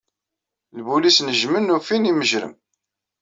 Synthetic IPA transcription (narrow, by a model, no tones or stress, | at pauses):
lbulisnəʒmənːufiniməʒɾə̰m